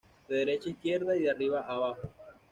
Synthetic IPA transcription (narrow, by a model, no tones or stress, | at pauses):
d̪eðeɾet͡ʃaihkjeɾðaiðeariβaʔaβaxo